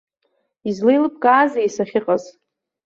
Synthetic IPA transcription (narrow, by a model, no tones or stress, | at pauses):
izlejlɨp̚ʰʼkʼaːzajsaχʲɪqʼaz